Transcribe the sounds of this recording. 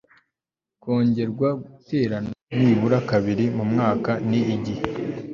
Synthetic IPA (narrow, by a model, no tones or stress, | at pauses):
ko̞ːɲɟe̞ɾɡwaɡute̞ːɾanniβuɾakaβiɾimumŋaːkaniʔːɟihe